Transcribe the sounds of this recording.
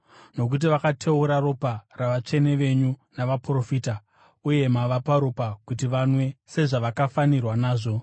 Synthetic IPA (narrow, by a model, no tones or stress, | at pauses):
no̞k̬ut̬iʋakatʰe̞uɾaro̞paraʋat͡ʂe̞ne̞ʋe̞ɲunaʋapro̞fita | uje̞maʋapaɾopakutiʋanwe̞se̞ʐaʋakafanirwanaːʐo̞